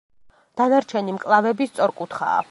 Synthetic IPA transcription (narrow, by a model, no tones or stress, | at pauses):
d̪̥anaɾt͡ʃʰɛnimkʼlˠavɛbist̪sʼɔɾkʼut̪ʰχa̰ː